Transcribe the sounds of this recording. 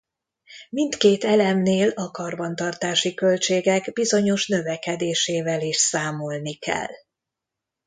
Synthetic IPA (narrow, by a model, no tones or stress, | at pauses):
mint̪keːt̪ɛlɛmneːlɒkɒrbɒnt̪ɒrt̪aːʃikø̞lt͡ʃeːɡɛɡbizo̞ɲo̞ʃn̪ø̞vɛkɛd̪eːʃeːvɛliʃsaːmo̞lnikʰɛ̰l